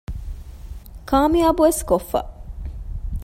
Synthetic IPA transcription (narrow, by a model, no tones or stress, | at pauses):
kaːmiɐbuʋeskofːɐ̰